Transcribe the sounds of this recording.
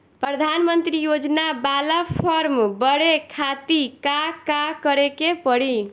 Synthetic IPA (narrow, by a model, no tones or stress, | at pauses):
pɾəd̪ʱanmənt̪ɾijod͡ʒnabalapʰəɾmbəɽekʰat̪ikakakəɾekepəɽi